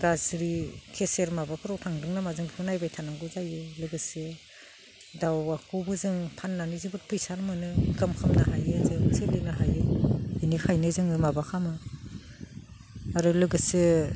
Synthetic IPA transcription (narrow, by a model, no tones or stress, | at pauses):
ɡazɾikʰeseɾmabakʰɯɾɔwtʰaŋdɯŋnamazɯŋpʰɯnajbajtʰanaŋɡɯzajɯlɯɡɯsɯ | dawakʰubɯzɯŋpʰanːanizibɯt̚pʰɯjsaɾmɯnɯɡɯmkʰɯmnaɦajezɯŋselenaɦajɯinikʰajnɯzɯŋɯmabakʰamɯ | aɾɯlɯɡɯsɯ